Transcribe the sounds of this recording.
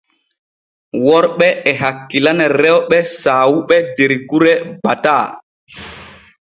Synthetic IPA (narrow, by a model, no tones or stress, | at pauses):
wɔɾɓɛɛɦakːilanɛɾɛwɓɛsaːwuɓɛdeɾkuɾɛbataː